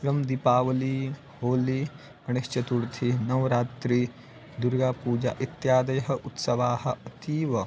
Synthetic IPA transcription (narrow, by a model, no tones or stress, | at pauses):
ɾɐmd̪ipaːʋɐliː | hoːli | ɐɳeʃt͡ʃɐt̪uɾt̪ʰinɐʋɾaːt̪ɾi | d̪uɾɡaːpuːd͡ʒa̰ʔit̪jaːd̪ɐjɐɦɐ̆ʔut̪sɐʋaːhɐ̆ɐt̪iːʋɐ